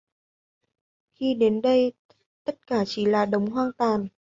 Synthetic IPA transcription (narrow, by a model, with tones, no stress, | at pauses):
xi˧ɗe˨˦nɗə˧j | t̪ə˦˥t̚kaː˧˩t͡ɕi˧˩laː˨˩ɗə˨˦wŋ͡mɦwaː˧nt̪waː˨˩n